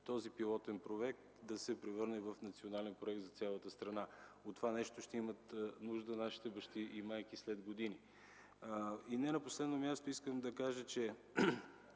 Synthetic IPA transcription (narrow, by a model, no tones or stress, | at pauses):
t̪ɔzipilˠɔt̪ɛnpɾoɛk̚t̪d̪ɐsɛpɾɛvɤɾnɛvɐfnɐt̪sionalɛnpɾoɛk̚t̪zɐt̪sʲalˠət̪əst̪ɾɐnaot̪ːovanɛʃt̪oʃt̪ɛimət̪nuʒd̪ənaʃi̥t̪ɛbɐʃt̪iʔimajkislɛd̪ɡod̪ini | inɛnɐposlɛd̪nomʲjast̪oiskəmd̪ɐkaʒət͡ʃɛ